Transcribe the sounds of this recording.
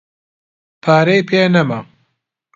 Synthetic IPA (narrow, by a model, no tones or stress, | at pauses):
pʰaːɾejpʰeːnɐma